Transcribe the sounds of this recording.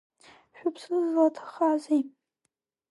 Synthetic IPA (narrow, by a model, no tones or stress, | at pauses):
ʃᶣʷʊpʰsɨzlatʰḁχaze